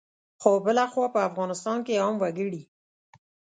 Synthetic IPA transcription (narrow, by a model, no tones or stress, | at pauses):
xobəlaxwɑpəafɣɑnɪst̪ɑnkeɑmwaɡəɽi